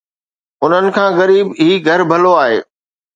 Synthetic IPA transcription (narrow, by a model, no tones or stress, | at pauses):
ʊn̤ənɪ̆kʰãːɣɐɾiːbiːɡʱɐɾbʱɐloaːɦḛː